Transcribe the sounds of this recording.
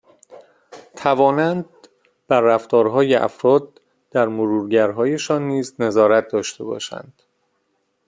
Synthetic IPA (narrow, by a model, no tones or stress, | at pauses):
t̪ʰævɒːnænd̪ | b̥æɾːæft̪ɒːɾɦɒːjeʔæ̰fɾɒːd̪̥̚ː | æɾmoɾuːɾɟæɾɦɒːje̞ʃɒːnːiːzne̞zɒːɾæt̪̚ʰd̪ɒːʃt̪e̞bɒ̰ːʃæ̰nd̪̥